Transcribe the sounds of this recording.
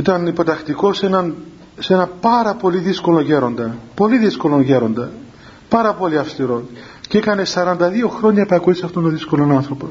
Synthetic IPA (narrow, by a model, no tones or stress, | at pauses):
it̪ɐnipo̞t̪ɐxt̪iko̞senɐn | senɐpɐɾɐpo̞liðisko̞loʝe̞ɾo̞nd̪ɐpo̞liðisko̞lo̞nʝe̞ɾo̞nd̪ɐ | pɐɾɐpo̞liɐfst̪iɾo̞ | ceekɐne̞sɐɾɐnd̪ɐðio̞xɾo̞ɲɐpɐɐkuisɐft̪onoðisko̞lonɐnθɾo̞pos